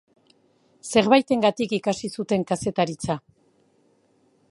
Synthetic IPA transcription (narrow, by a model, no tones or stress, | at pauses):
se̞ɾβajt̪e̞ŋɡat̪ikikasisut̪e̞ŋkase̞t̪aɾit͡sa